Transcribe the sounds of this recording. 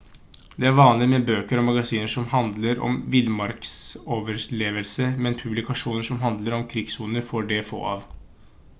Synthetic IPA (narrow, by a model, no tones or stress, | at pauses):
d̪ɛæɾʋɑːnlɪmɛbøːkəɾɔmːɑɡɑsiːnəʂɔmhɑnd̪ləɾɔ̰mʋɪlmɑɾksoːʋəɾɭeːʋəlsəmɛnpʰʉblɪkɑʂuːnəɾʂɔmɦɑnd̪ləɾɔmkʰɾɪɡsuːnəɾfoɖɛfo̰ːɑ̰ːʋ